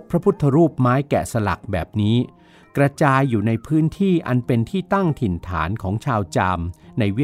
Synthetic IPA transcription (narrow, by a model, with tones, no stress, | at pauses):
pʰɾa˦˥pʰu˦˥t̪ʰːa˧ɾuː˥˩p̚maː˦˥jkɛ̰ː˨˩sa˧la̰˨˩k̚bɛː˨˩p̚niː˦˥ | kɾa˧t͡ɕaː˧jːuː˨˩na˧jpʰɯː˦˥nt̪ʰiː˥˩ʔa˧npe˧nt̪ʰiː˥˩t̪a˥˩ŋt̪ʰi˨˩nt̪ʰa̰ː˩˦nkʰɔː˩˦ŋt͡ɕʰaː˧wt͡ɕa˧mna˧jw